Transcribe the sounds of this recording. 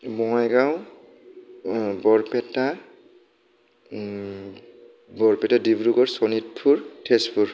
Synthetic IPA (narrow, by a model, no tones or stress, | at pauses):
mɔŋajɡaw | bɔɹpɛta | bɔɹpɛtadibɹuɡɔɹsɔnit̚pʰuɹtʰespʰuɹ